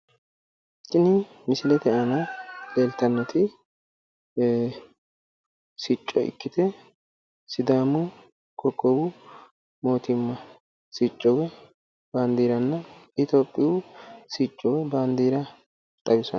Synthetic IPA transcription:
t͡ʃʼːɪnɪ | mɪsɪlɛt̪ɛʔɐnɐleːlt̪ɐnːɐt̪ɪ | sit͡ʃʼːɔ̰ʔɪ̰kːɪt̪ɛ | sɪd̪aːmʊ | kʰɔkʼːɔbʊ | mo̞ːt̪ɪmːɐ | sit͡ʃʼːɔwɛ | baːnd̪iːɾɐnːɐɪt̪oːpʼːɪjusit͡ʃʼːɔwɛbaːnd̪iːɾɐ | t̪ʼɐbɪsɔn

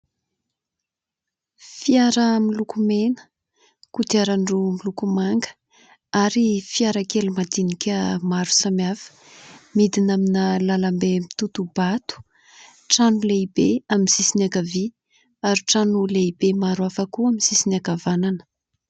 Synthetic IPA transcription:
fiaɾəmilukumenə̥ | kut̪aɾaɳɖ͡ʐumilukumaŋɡə̥ | aɾifiaɾakelumad̪inikʲəmaɾu̥samjafə̥ | mid̪inaminəlalambemit̪ut̪ubat̪u̥ | ʈ͡ʂanuleibeaminzisinakavi | aɾiʈ͡ʂanuleibemaɾwafakuaminzisinakavananə̥

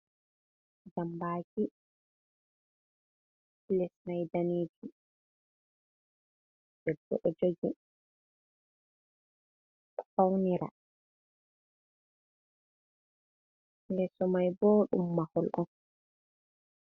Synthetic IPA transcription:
d͡ʒambaːki | lɛsnajdaniːd͡ʒi | d͡ʒɛdːɔ̰ʔɔd͡ʒoɡi | fawniɾa̰ | lɛsɔmajboːɗṵmːahɔlʔɔn

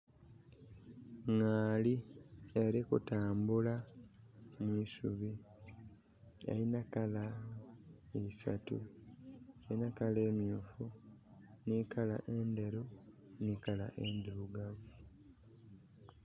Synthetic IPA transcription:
ŋaːlieɾikutaːmbula | mwiːsuβi | ḛinakala | isa̰tṵ | enakale̞ːmjuːfu | nikʰala̰ʔeːnde̞ɾo | nikala̰ʔendiɾuɡavu

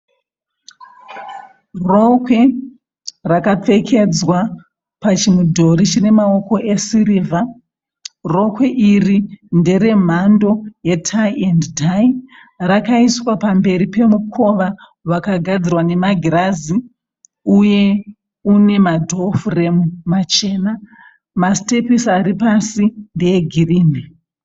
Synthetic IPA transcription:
ro̞kwe̞ | rakap͡fe̞kʰe̞d͡zwa | pat͡ʃimudʱoɾit͡ʃine̞mao̞ko̞ʔe̞siriːvʱa | ro̞kwe̞ʔirinde̞ɾe̞m̤ando̞jetʰaienddaj | rakaiswapambe̞ɾipe̞mukʰo̞ʋa | ʋakaɡʱad͡zirwane̞maɡʱiɾazi | uje̞ | une̞madʱo̞fure̞mmat͡ʃe̞ːna | maste̞pisaɾipasinde̞jeɡʱiriːme

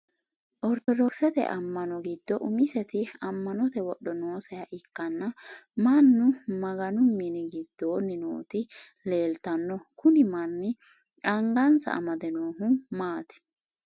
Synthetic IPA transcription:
ʔɔɾt̪ɔd̪ɔksɛt̪ɛ̰ʔɐmːɐnɔɡɪd̪ːɔʔʊmɪsɛt̪ɪɐmːɐnɔt̪ɛwɔɗːɔnoːsɛjɐʔɪkːɐnːɐmɐnːʊmɐɡɐnʊmːinɪɡɪd̪ːoːnːɪno̰ːt̪ɪ | le̞ːlt̪ɐnːɔkʊnɪmɐnːɪ | ᶑɐŋɡɐnsɐ̰ʔɐ̰mɐd̪ɛnoːɦʊmaːt̪ɪ̥

